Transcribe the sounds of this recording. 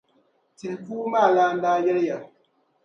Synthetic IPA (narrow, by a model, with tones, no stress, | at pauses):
ti˨n˨kuː˦maː˦˨laː˦n̩˦daː˦jɛ˦lja˨